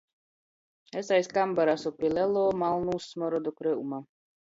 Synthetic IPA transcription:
ɛsajskambaɾasupilʲɛlɔːmalˠnuːsːmɔɾɔd̪ɔkɾeuma

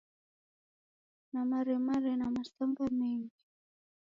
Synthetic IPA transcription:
namaɾɛmaɾɛnamastaŋɡamɛŋɡi

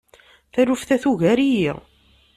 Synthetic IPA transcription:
θæɾufθæθuʝæɾiji

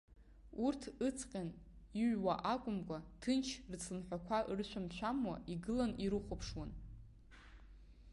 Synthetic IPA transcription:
urtʰɨt͡sʰqʲʼan | iʕwaʔakʷʼʊmkʷʼatʰɨnt͡ʃʰrt͡sʰɨnħʷᶣakʷʰaʔrɨʃʷʰamt͡ɕʷʰamwa̰ʔiɡɨlaniɾɨχʷopʰʂwan

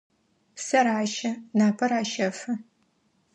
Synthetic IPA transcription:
sɐɾaːʃɐnaːpʰɐraːʃɐfɐ

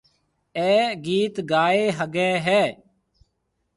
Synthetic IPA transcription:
ɛːɡiːt̪ɡaːeːɦəɡɛːɦɛː

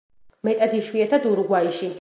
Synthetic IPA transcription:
mɛt̪ʼad̪iʃwiɛt̪ʰad̪uɾuɡwaiʃi

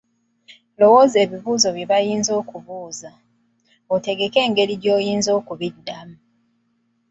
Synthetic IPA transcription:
lo̞wo̞ze̞ːβiβuːzo̞βjeβajiːnzo̞ːkuβuːza | ote̞ɡe̞ke̞ːŋɡe̞ɾiɟo̞ːjiːnzo̞ːkuβidːamu

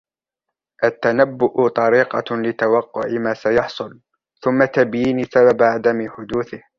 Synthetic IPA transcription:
ʔat̪ːanabːʊʔt̪ˤɑɾiːqɑ̰lɪt̪awɑqːʊʕɪmaːsajɑħsˤʊl | θʊmːat̪abjiːnisababaʕad̪amɪħʊd̪uːθɪh

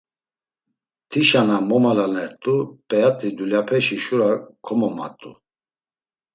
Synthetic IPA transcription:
t̪ʰiʃanamɔmalanɛɾt̪ʼupʼɛjat̪ʼid̪uljapʰɛʃiʃuɾakʰɔmɔma̰t̪ʼṵ

